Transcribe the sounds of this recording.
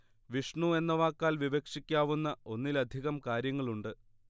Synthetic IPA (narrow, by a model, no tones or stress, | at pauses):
ʋiʂɳue̞nːɐʋaːkːaːlʋiʋekʂikʲːaːʋunːɐo̞nːilɐd̪ʱiɣɐmkaːɾjɐŋːɐɭuɳɖɨ